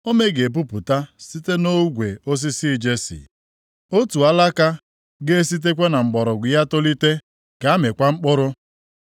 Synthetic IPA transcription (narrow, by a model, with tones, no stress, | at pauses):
o˦me˦ɡe˨p̬u˦pu˨ta˦si˦te˦no˦ɡʷe˨o˦s̬i˦si˦˨d͡ʒe˦sḭ˨ | o˦tu˨a˦la˦ka˦ | ɡe˦e˦s̬i˦t̬e˦k̬ʷe˦na˨ŋ͡m̩˨ɡ͡bɔ˨ɾʊ˨ɡʷɪ˨ja˦to˦li˦te˦ | ka˨a˦me˨kʷa˦ŋ͡m̩˦k͡pʊ˦ɾʊ˦